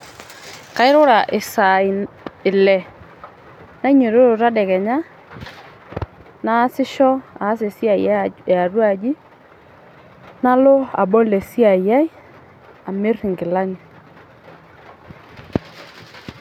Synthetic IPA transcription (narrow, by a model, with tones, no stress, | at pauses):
ka˨˦ɪ˦ɾʊ˦ɾa˨ʔɪ˨sa˨i˨ | ɪ˨lɛ˨ | na˦ɲe˨ɾo˦ɾo˨ɾa˦dɛ˨kɛ˨ɲa˦ | na˦sɪ˦ʃɔ˦a˨˦se˨si˦a˨ija˦˨a˨ɾwa˦˨d͡ʒi˦ | na˦lo˦a̰˨bɔ˦le˨si˦a˨ja˦i˦ | a˨me˦rɪ˨ŋɡɪ˨la˦ɲɪ˨